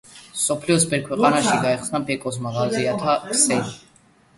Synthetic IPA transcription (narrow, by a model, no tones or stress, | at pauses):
sɔpʰliɔsbɛɾkʰwɛqʼanaʃiɡaɛχsnabɛkʼɔs̬maʁalziat̪ʰaksɛni